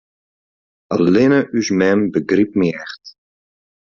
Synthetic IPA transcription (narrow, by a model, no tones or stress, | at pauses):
əlɪnəʔysmɛmbəɡrip̚miɛχt